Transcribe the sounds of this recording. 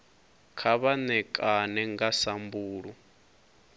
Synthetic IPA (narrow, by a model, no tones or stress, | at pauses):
kʰaβanɛkʼanɛŋɡasambuːɺu